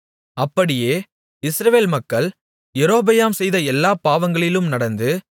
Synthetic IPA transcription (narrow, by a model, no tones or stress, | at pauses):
ɐpːɐɽɪjeː | ɪsɾɐʋeːlmɐkːɐɭ | jɛɾoːbɐjaːmsɛjðɐɛlːaːpaːʋɐŋɡɐɭɪlɯmnɐɽɐnd̪ɯ